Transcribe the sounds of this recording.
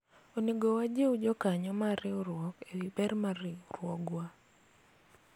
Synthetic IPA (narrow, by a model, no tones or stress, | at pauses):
oneɡowad͡ʒeud͡ʒɔkaɲɔmaɾɪoɾwɔkewibɛrmaɾɪoɾwɔɡwa